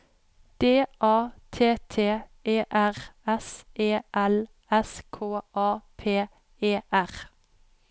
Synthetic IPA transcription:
d̪̥eːʔɑːt̪ʰeːt̪ʰeːʔeːʔæʁɛseːʔɛl | ɛskʰoːʔɑːpʰeː | eːʔæʁ

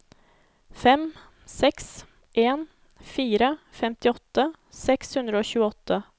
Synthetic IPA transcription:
fɛm | sɛks | ʔeːn | fiːɾəfɛmt̪ɪɔt̪ːə | sɛkshʉnd̪ɾəoːɕʉːəɔt̪ːə

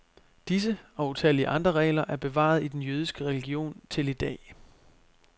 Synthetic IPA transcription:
d̥is̬əɒ̽ut͡sʰæliəʔɑ̈nd̥ʁɐʁɛ̰ɪlɐʔæɐb̥e̝ʋɑ̰̈ð̞̩ˠid̥enjøːð̞ˠisɡ̥əʁɛliɡ̥io̝̰ːnt͡sʰe̝lid̥ɛ̰ː

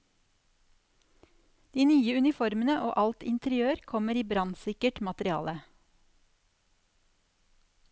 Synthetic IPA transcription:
d̪̥iːnyːəʉnɪfɔɾmənəʔoːʔɑlt̪ɪ̰nt̪ʰəɾɪøːɾkʰɔməɾiːbɾɑnsɪkəʈmɑt̪əɾɪɑ̰ːlə

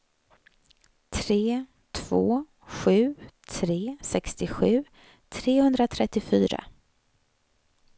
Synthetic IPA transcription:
t̪ʰɾeː | t̪ʰv̥oː | ɧʉ̟ːt̪ʰɾeːsɛkst̪ɪɧʉ̟ː | t̪ʰɾeːhɵnd̪ɾat̪ʰɾɛt̪ːɪfyːɾa̰

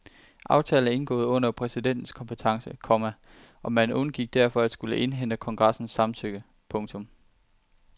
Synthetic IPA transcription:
ʔɑ̈ʊt͡sʰɛːl̩ˠe̝nɡ̥ɔ̰̽ːð̩ˠɔ̽n̰ɐpʰʁɛsid̥en̰d̥n̩skʰɒ̽mpʰət͡sʰɑ̈ŋsəkʰɒmæ | ʔɒ̽mænɔ̽nɡ̥iɡ̥̚d̥æɐ̰fɒ̽æd̥sɡ̥uləʔe̝nɦen̰d̥əkʰɒ̽ŋɡ̥ʁɑ̈sn̩sːɑ̈mt͡sʰøɡ̥ə | pʰɔ̽ŋt͡sʰɔ̽m

